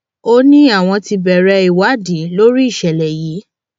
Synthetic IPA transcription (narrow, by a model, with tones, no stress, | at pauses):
o˦nĩ˦a˦˨w̃ɔ̃˧ti˧bɛ˨ɾɛ˧˦i˨wa˨˦dĩ˨˦lo˦ɾi˦i˦˨ʃɛ˨lɛ˨jiː˨˦